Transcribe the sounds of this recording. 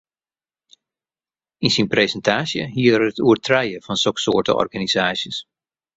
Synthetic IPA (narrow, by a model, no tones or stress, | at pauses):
insinprezəntaːsjə̰ɦiərətuərtʰrɛjəvɑnsɔksoːɹtə̰ɔ̰rɣanizaːsjəs